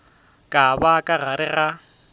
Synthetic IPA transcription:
kʼabakʼaɣaɾɪɣa

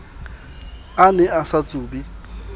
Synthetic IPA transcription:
anɛasat͡sʼuːbi

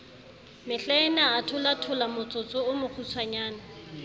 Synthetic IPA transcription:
mɪɬaɪnaːtʰʊlatʰʊlamʊt͡sʼʊt͡sʼʊʊmʊk͡xʰusʰwaɲaːna

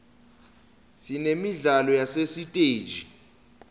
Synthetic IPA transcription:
sinemiɮalɔjasesitʼe̥ːd͡ʒʱi

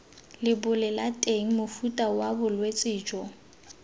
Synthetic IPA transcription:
lɪbʊlɪlatʼeŋ̩mʊfutʼawabʊlwet͡sʼɪːd͡ʒɔ

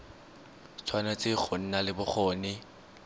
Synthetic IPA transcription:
t͡sʰwanat͡sʼɪk͡xʰon̩nalɪbʊk͡xʰɔːnɪ

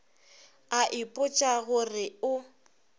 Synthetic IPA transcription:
aʔɪpʼʊt͡ʃʼaɣʊrɪʊ

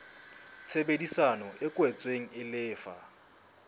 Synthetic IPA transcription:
t͡sʰebedisanɔʔɪkʼwɛt͡sʼweŋ̩ɪlɪːfa̰

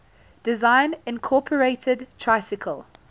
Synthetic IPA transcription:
d̥ɪzãɪ̃nɪ̃nkʰɔːˑpʰəɹeɪtʰədtʰɹ̥aɪsɪkʰəlˠ

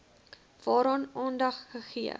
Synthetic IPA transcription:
v̥ɑːɾɑːnɑːndɐχːəχiə̰

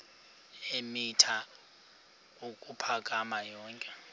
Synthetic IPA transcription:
emitʰa | ukʼupʰak̬ʼamajɔːŋkʼɛ

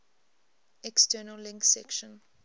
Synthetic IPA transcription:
ɛkstɜːnəllɪ̃ŋksɛ̰kʃə̃n

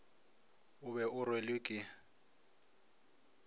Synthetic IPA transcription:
ʊbɛʊrwelɪkʼɪ

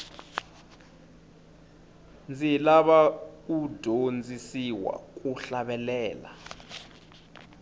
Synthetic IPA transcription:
nd͡zʱilaɓaud̥ʱond͡zʱisiwa̰k̬ʼuɬaɓɛlɛːla̰

